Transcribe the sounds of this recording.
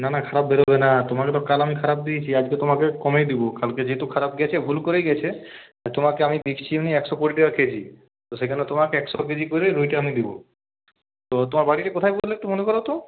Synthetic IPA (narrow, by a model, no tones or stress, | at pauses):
nanakʰaɾap̚beɾobenat̪omaket̪ɔkalamikʰaɾap̚d̪iet͡ɕʰiad͡ʑket̪omakekɔmejd̪ibokalked͡ʑeɦet̪ukʰaɾapɡɛt͡ɕʰebʱulkoɾejɡɛt͡ɕʰeat̪omakeamid̪ekʰt͡ɕʰimniɛksɔkoʈiʈikakʰed͡ʑʰi | t̪osekʰanet̪omakeɛksɔk̬ed͡ʑikoɾeɾujʈeamid̪ibo̰ | t̪ot̪omaɾbaɽiʈakot̪ʰajbud̪ʰlekt̪omonekɔɾot̪o